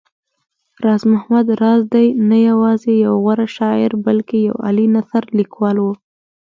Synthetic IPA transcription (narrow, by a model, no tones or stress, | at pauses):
ɾɑzmʊhmad̪ɾɑzd̪ajnajawɑzejawɣaɾaʃɑɪɾbalkeja̰wa̰linaθaɾlikwɑlwu